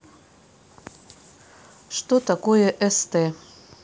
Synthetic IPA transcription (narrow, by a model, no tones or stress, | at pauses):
ʃt̪ot̪akojeʔəst̪e